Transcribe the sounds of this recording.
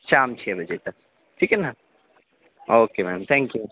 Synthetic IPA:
ʃaːmt͡ʃʰeːbɐd͡ʒet̪ɐk̚ | ʈʰiːkena | oːkemɛːmt̪ʰɛ̃ːŋkju

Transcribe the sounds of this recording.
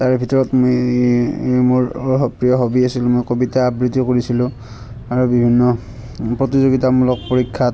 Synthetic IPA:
taɹbʱitɔɹɔtmoj | muɹɔɦɔpɹijɔɦobiasilʊ̃mojkobitaːbɹitikoɹisilʊ̃ | aɹubibʱinːɔ | pɹɔtizoɡitamulɔk̚poɹikʰːa

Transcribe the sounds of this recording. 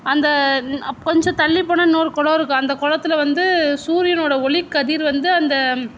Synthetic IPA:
ɐnd̪ɐkɔɲd͡ʒɔ̃t̪ɐɭːɪpːɐɳːɐnoːɾɯkɔɭɐʋɾɯkːɯɐnd̪ɐkɔɻɐt̪ːɪlɐʋɐnd̪ɯsuːɾɪjɐnoːɽɐɔɭɪkːɐðiːɾʋɐnd̪ɯɐnd̪ɐ

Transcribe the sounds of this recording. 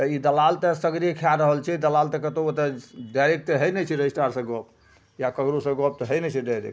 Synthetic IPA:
t̪əid̪əlalt̪esəɡɾiekʰjaɾəɦəlt͡ʃʰid̪əlalt̪ɛkət̪oot̪eɖaɾek̚t̪eɦəjnɛt͡ʃʰiɾejsʈaɾsə̃ɡɔp | jakəɡɾosə̃ɡɔp̚t̪ɔɦəjnɛt͡ʃʰiɖaɾḛk

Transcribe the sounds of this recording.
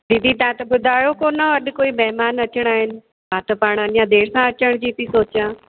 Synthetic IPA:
d̪id̪it̪ãt̪ɐbʊd̪ʱaːjokoːnaɐɗkoːimɛɦmaːnɐt͡ʃəɽ̃aːɦɪnɪ̆ | baːt̪əpaːɽ̃əɗjãd̪eːɾsãɐt͡ɕəɽ̃d͡ʑiːt̪isoːt͡ɕjãː

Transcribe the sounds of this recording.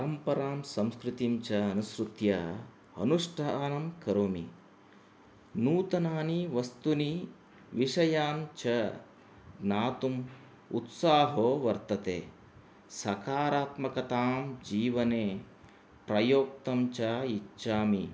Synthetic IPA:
pɐɾɐmpɐɾaːmsɐ̃mskɾut̪imt͡ʃɐːnusɾut̪jɐ | ɐ̰nuʂʈʰaːnɐmkɐɾoːmi | nuːt̪ɐnaːniʋɐst̪uni | ʋiʂɐjaːmt͡ʃɐ | ɡnaːt̪um | ṵt̪saːɦoːʋɐɾt̪ɐt̪ḛː | sɐkaːɾaːt̪mɐkɐt̪aːmd͡ʒiːʋɐneː | pɾɐjoːk̚t̪ɐmt͡ʃaːit͡ʃːʃaːmi

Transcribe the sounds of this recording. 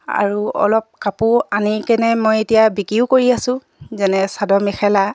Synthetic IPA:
a̰ɹuɔ̰lɔp̚kapuanikɛnɛmojetijabikiʊkoɹiasʊ̃ | zɛnɛsadɔmɛxʰɛla

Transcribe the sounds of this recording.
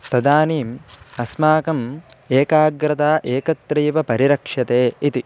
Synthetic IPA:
t̪ɐd̪aːniːmɐsmaːkɐm | eːkaːɡɾɐt̪aːʔeːkɐt̪ɾiːʋɐpɐɾiɾɐkʂɐt̪eːit̪i

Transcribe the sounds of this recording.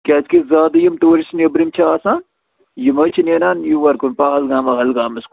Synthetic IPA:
kʲaːt͡ʃkizaːd̪ɐjimt̪oːɾisnɐbɾimt͡ʃʰɐaːsaːn | jimɐt͡ʃʰinenaːnjuʋɐɾkunpaːɦɐlɡaːmɐɦɐlɡaːmɐsk

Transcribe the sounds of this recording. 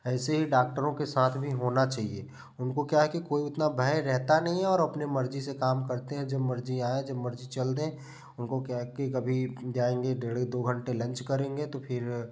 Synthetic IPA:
ɛːseɦiɖaːk̚ʈəɾõkesaːt̪ʰbʱiɦoːnat͡ʃaːɦie | ʊnkokjaɦɛkikoːiʊt̪nabʱɛːɾɛɦt̪anɐɦĩɦɛ̃ɔːɾɐpnemɐɾd͡ʒisekaːmkɐɾt̪eɦɛ̃d͡ʒɐbmɐɾd͡ʒiaːẽd͡ʒɐbmɐɾd͡ʒit͡ʃɐld̪ẽ | ʊnkokjaɦɛkikɐbʱid͡ʒaːẽːŋɡeɖeːɽed̪oːɡʱə̃ɳʈelɐ̃nt͡ʃkɐɾẽːŋɡet̪opʰɪɾ

